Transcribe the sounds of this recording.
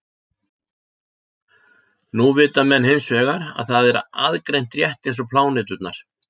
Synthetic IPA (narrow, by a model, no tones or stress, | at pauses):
nuvɪːt̪amɛnːhɪnsvɛːɣaɾa̰ðθaðɛɾa̰ðkɾejnt̪rjɛht̪ejnsɔpʰlaːwnɪːt̪ʏt̪naɾ̥